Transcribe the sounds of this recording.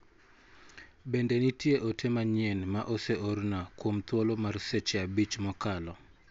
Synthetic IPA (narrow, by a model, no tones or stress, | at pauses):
bendenitjeʔotʰemaɲɪɛnmaʔɔseʔornakwomt̪wolomarsɛt͡ʃabit͡ʃmɔkalɔ